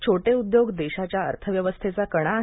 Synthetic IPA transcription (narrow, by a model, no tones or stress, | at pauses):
t͡ɕʰoʈeud̪joɡd̪eɕat͡ɕjaə̰ɾt̪ʰəʋjəʋəst̪ʰet͡sakəɽ̃a